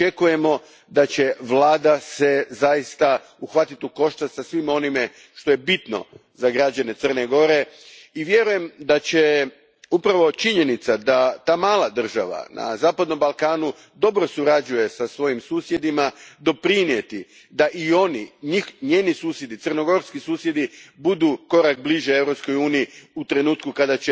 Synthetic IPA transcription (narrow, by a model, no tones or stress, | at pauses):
ekuje̞mo̞ | d̪at͡ɕe̞ʋlˠaːd̪ase̞zajist̪a | uxʋat̪it̪uko̞ʃt̪at̪sasʋimo̞nime̞ | ʃt̪o̞je̞bit̪no̰zaɡɾad͡ʑane̞t̪sər̩neɡo̞ɾe̞ | iʋje̞ɾuje̞md̪at͡ɕe̞ | upɾaʋo̞t͡ʃiɲe̞nit̪sad̪at̪aːmaːlˠad̪r̩ʒa̰ʋa̰na̰zaːpad̪no̞mbalˠkaːnu | d̪o̞bɾo̞suɾad͡ʑuje̞sasʋo̞jimsuːsje̞d̪imad̪o̞pɾinje̞t̪i | d̪aʔio̞niɲixɲe̞ːnisuːsjed̪it̪ɨrno̞ɡo̞ɾskisuːsje̞d̪ibud̪uko̞ɾak̚bliʒeevɾo̞psko̞juːnijiut̪ɾe̞nuːt̪kukad̪at͡ɕe